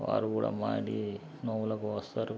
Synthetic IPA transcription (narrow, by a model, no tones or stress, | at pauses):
ʋa̰ːɾukuːɽa̰ːmaːɽi | noːulɐkuʋɐst̪aːɾu